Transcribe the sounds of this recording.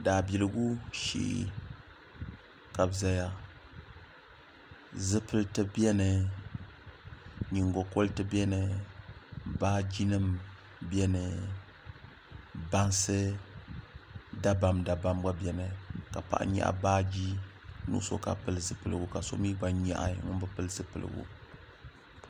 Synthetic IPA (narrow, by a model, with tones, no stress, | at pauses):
daː˨bi˨lɨ˦ɡu˦ʃḭ˦˨ʔ | ka˨bza˦ja˦ | zɨ˦pɨ˦ltɨ˦bjɛ˦nɨ˨ | ɲi˨ŋɡo˨ko˦ltɨ˦bɛ˦nɨ˨ | baː˦d͡ʒi˦nɨ˦m | bɛ˦nɨ˨ | ba˦nsɨ˦ | da˦ba˨mda˨ba˦mba˦bɛ˨nɨ˨ka˨pa̰˨ʔa̰˨˦ɲɛ̰˦ʔa̰˨baː˦d͡ʒi˦ | nṵ˦ʔso̰˦ka̰˨pɨ˦lɨ˨zɨ˨pɨ˨lɨ̰˨ɡu˨ka˨so̰˦miː˦ɡ͡ba˦ɲa̰˦ʔa̰˦ŋʊ˦bɨ˦pɨ˦lɨ˦zɨ˦pɨ˨lɨ̰˨ɡṵ˦